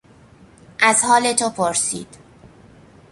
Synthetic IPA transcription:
ʔæzhɒːlet̪ʰopʰoɾsḭːd̪̥

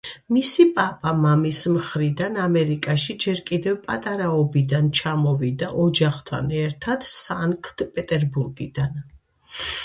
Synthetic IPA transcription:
misipʼapʼamamismχɾid̪anamɛɾikʼaʃid͡ʒɛɾkʼid̪ɛvpʼat̪ʼaɾaɔbid̪ant͡ʃʰamɔvid̪aʔɔd͡ʒaχt̪ʰa̰nɛɾt̪ʰad̪̥saŋkʰd̪̥pʼɛt̪ʼɛɾbuɾɡḭd̪̥an

